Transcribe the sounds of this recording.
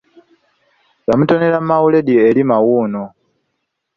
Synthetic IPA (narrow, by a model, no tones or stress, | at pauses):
jamuto̞ne̞lamawule̞dieːlimawuːno